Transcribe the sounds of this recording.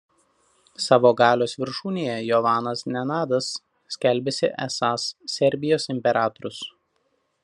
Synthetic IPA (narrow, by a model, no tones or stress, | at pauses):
sɑːʋoːɡɑːlʲoːsʋʲɪɾʃuːnʲeːjɛjɔʋɑːnɐsnʲɛnɑːd̪ɐsːʲ | kʲɛlʲbʲesʲɪʔɛ̰sɑːsːʲɛɾʲˑbʲɪjoːsɪmʲpʲɛɾɑːt̪ɔɾʊs